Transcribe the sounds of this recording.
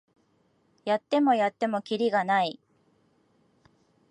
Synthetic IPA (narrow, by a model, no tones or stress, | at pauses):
jat̪ːe̞mo̞jat̪ːe̞mo̞kʲiɾʲiɡanai